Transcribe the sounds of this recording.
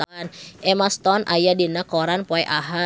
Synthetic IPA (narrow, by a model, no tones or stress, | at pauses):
nʔɛmast̪ɔnʔa̰jadinakɔɾanpɔɛʔaɦa